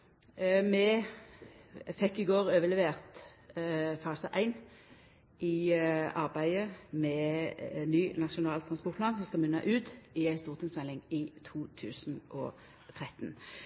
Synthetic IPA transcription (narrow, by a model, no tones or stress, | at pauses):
mɛ | fɛkːɪɡoːʁøːʋəlɛʋeːʁt̪ | fɑːsəʔæɪn | ɪɑʁbæɪəmɛ | nyːnɑʃʊnɑːlt̪ʰʁɑnspɔʁt̪̚pʰlɑːnsɔmskɑmʏnːɑ̰ʔʉːt̪ɪæɪst̪uːʁt̪ʰɪŋsmɛlːɪŋɪt̪ʰuːt̪ʰʉ̰ːsnʔɔ̰ | t̪ʰʁɛt̪n